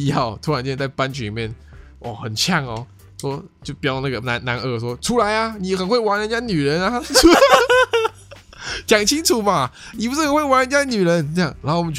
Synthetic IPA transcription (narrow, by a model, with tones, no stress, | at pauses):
jɑ˥˩ʊt̪ʰu˧˥ɻnt͡ɕ̪e˥˧˥t͡sa˥˩ɪpa˥nt͡ɕy˧li˨˩mjɛ˥˩n | ʔɔ̰˥˩xə˨˩nt͡ɕʰjɑ˥˩ŋɔ˨˩ | ʂwɔ˥t͡ɕjo˥˩ʊpi˥˧na˥˩ɡə˩na˧˥nna˧˥nʔə˥˧˩ʂ̬wɔ˥ʈ͡ʂʰu˥la˧˥ɪɐ˨ni˨˩xə˨˩nxwe˥˩ɪwa˧˥nə˧˥nt͡ɕja˥ny˨˩ɻə˨˧˥na˨u˥a˧ | t͡ɕjɑ˨˩ŋt͡ɕʰi˦˥ŋʈ͡ʂʰu˨˩ma˧˨˩ni˨˩pu˧˥ʂ̩˥˩xə˨nxwe˥˩wa˧˥nɻə˧nt͡ɕja˥ny˨˩ɻə˧˦nə˥jɑ˥˩ŋna˧˥xo˥˩wɔ˨m˧˦˩